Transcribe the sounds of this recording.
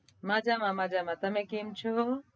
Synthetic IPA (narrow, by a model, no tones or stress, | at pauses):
mãːd͡ʒamãmãːd͡ʒamãt̪ɐmẽkimt͡ʃʰo